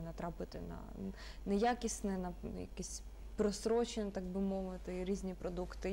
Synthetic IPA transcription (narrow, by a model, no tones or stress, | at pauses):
nɐt̪ɾɑpɪt̪ɪ̰nɐ̰ | nɛjakʲisʲnɛnɐ̰jɐ̰kɛsʲ | pɾɔsɾɔt͡ʃɪnʲt̪ɑɡbɪmɔʋɪt̪ɪɾʲizʲnʲipɾɔd̪ukt̪ɪ